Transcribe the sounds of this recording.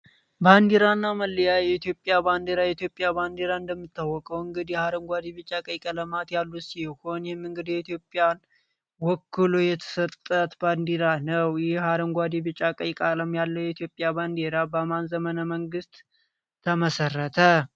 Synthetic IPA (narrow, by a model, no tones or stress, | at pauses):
band̪eɾanːaməlːəjajɛit̪ijo̞pʼːjaband̪eɾajɛit̪ijo̞pʼːjaband̪eɾaɨnd̪əmːɨt̪ʰːawːɔkʼəwɨŋɡɨd̪ihaɾəmɡʷad̪ibɨt͡ʃʼːakʼəjkʼələmat̪jalːusiho̞njɛhɪmːɨŋɡɨd̪ihjɛit̪ijo̞pʼjan | wɔkʰːɨlojɛt̪ʰə̥sət̪ʼːət̪band̪iɾanəwjɪhhaɾəmɡʷad̪ibɨt͡ʃʼːakʼəjkʼaləmjalːəwjɛit̪ʰjo̞pʼjaband̪eɾabəmanzəmənəməŋɡɨst̪ʰː | əməsərːət̪ʰə